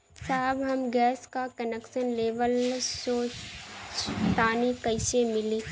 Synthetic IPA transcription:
saːbɦɐmɡɛːskakənekʃənleːʋəlsoːt͡ʃ | t̪aːnikəɪʃemɪliː

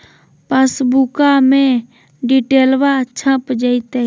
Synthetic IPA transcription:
pəsbukamẽ | ɖiʈeːlwat͡ʃʰə̃pd͡ʒəit̪e

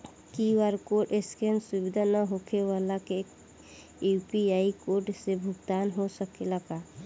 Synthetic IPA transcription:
kiwaɾkoʈeskensubid̪ʱanəɦokʰewalake | upiaikoɾʈsebʱʊɡt̪aːnɦosəkelaɡa

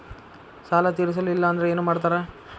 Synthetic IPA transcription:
saːlɐt̪̬iɾis̬ɐluilːɐːnd̪ɐɾeeːnuːmaːɽt̪̬aːɾe

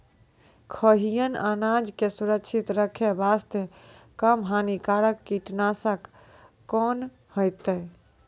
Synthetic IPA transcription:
kʰəɦijəna̰nad͡ʒkesuɾəkt͡ʃʰit̪ɾəkʰebast̪ekəmɦanikaɾəkːiʈnasəkː | ɔn | hojt̪əj

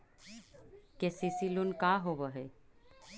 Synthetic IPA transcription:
kesisilunkaɦobəɦe

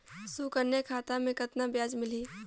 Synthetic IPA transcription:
sukəɾnekʰaːt̪ãmẽkət̪nabjaːd͡ʒmɪliː

